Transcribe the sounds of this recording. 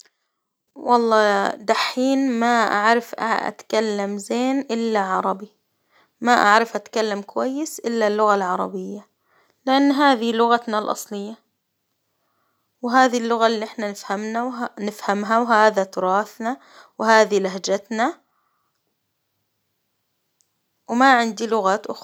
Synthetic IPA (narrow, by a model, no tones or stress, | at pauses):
wɑlˤːɑːd̪aħːiːnmaʔa̰ʕɾɪfʔa̰ʔa̰t̪kalːamzeːnʔɪlːaʕɑɾˤɑbi | maʔa̰ʕɾɪfʔat̪kalːamkʊwajːɪsʔɪlːalːʊɣalʕɑɾˤɑbɪjːa | lɪʔanːɦaːðilʊɣat̪nalʔɑ̰sˤlɨjːa | wɦaːðilːʊɣalːiːʔɪħnanɪfhamnawnɪfhamɦawɦaːðat̪ʊɾˤɑːθna | whaːðilaɦd͡ʒat̪na | wmaʕɪnd̪ilʊɣaːt̪ʔʊx